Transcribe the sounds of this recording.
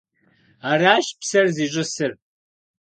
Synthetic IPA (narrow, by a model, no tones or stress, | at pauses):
aːɾaːʃpsɐrziːɕʼɪsɨr